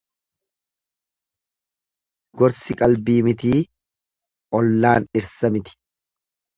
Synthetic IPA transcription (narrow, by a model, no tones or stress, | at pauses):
ɡɔɾsɪkʼɐlbiːmɪt̪iː | ʔɔlːaːnɪɾsɐmɪt̪ɪ̥